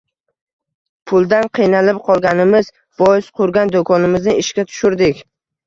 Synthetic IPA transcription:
pʰʊlˠd̪anqʰɨjnalɪp̚qʰɒlˠɡʲanɪmɪz | bɒjɪsqʰʊɾɡʲand̪okʰɒnɪmɪznɪɪʃkʲat̪ʰʊ̥ʃʊɾd̪ɪkʲ

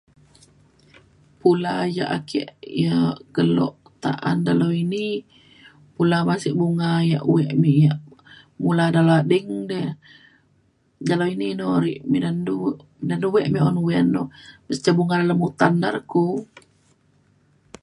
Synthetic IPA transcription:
pulaja̰ʔakʰɛ̰ʔjaɡ̥əlɔ̰ʔt̪a̰ʔandaloini | pulamasiʔbuŋajaʔuwɛʔmiʔjaʔ | muladaloadəŋdɛ | daloininɔɾiʔmidandu | mdanuwɛʔmiʔɔnuwɛnːɔbəst͡ʃabuŋadalamut̪andaɾaku

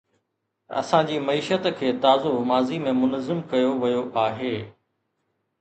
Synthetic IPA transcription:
ɐ̰sãd͡ʑiːmɐiːʃət̪kʰeːt̪aːzomaːzimẽmʊnəzɪmkɐjoʋɐjoʔaːɦeː

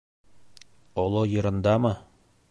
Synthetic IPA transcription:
ɒlˠɤjɤ̆ɾɤ̆nd̪ɑmɤ

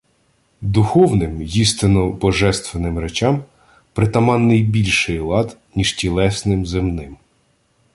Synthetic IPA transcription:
d̪ʊxɔwnɪmjist̪ɪnɔbɔʒɛst̪ʋenɪmɾet͡ʃɑm | pɾɪt̪ɐmɑnːɪjbʲilʲʃɪjlˠɑd̪nʲiʃtʲilˠɛsnɪmzɪmnɪm

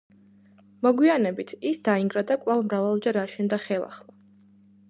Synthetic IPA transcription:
mɔɡwianɛbit̪ʰisd̪aiŋɡɾad̪akʼlˠavmɾavalˠd͡ʒaɾaʃɛnd̪aχɛlˠa̰χlˠa

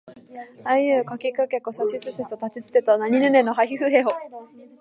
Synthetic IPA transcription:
aiɯkokʲikakekːosaɕisɨsesot̪at͡ɕit͡sɨ̥t̪et̪onaɲ̟inɯnenoɦaçiɸɯɦeo

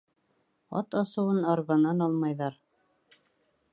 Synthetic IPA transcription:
ɑ̰t̪ɑsɤ̆wɤnɑɾβɑnɑnɑlˠmɑjðɑɾ

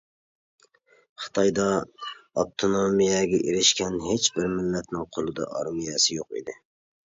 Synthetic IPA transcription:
χɨ̥t̪ʰɑjd̪ɑɑp̚t̪ʰonomijɛɡʲɛʔiɾɪʃkʲʰɛnɦet͡ʃbɪɾmɪlːɛt̪nɪŋqʰolˠɨd̪ɑ̰ʔɑ̰ɾmijɛsɪjoqḭd̪ɪ

